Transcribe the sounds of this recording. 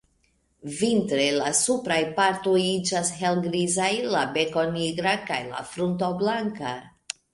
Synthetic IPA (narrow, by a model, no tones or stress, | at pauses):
vintɾelasupɾajpaɾto̞jid͡ʒasɦe̞lɡɾizajlabe̞ko̞niɡɾakajla̰fɾunt̬oblaŋka